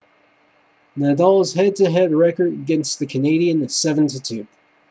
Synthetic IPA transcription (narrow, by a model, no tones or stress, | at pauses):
nædɔlˠz̥hɛd̚tɨɦɛdɹɛkə˞dɨɡɛ̃nst̪ðɨkʰɨneɪɾiɨ̃nɨv̥sɛṽn̩tʰitʰʉ